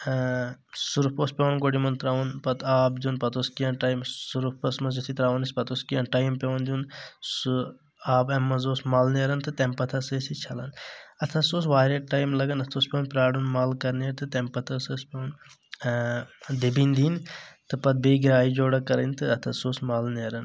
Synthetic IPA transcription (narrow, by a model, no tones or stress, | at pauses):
suɾpoːspʲeʋnɡoɖimɐnt̪ɾaːʋunpɐt̪ʰaːbd͡ʒ̪unpɐt̪oskijɐnʈaːjmsuɾupɐsmɐsut̪ʰit̪ɾaːʋɐnisʲpɐt̪oːskijɐnʈaːjmpʲeʋɐnd̪ʲunsu | aːbɐmːɐzoːsmaːlneɾɐnt̪ʰɨt̪empɐt̪ʰɐseːsit͡ʃʰɐlɐ̰nɐt̪ʰɐsoːsʋaːɾɐʈaːjmlɐɡɐnɐt̪ʰospʲeːnpɾaːɽunmaːlkɐɾnɐɾt̪ʰɨt̪empɐt̪ʰɐsɨspʲoːn | d̪ibind̪iːnt̪ɨpɐt̪̚beːɡiɾaːid͡ʒoːɽɐkɐɾɐnt̪ɨɐt̪ʰɐsoːsmaːlnɐɾɐn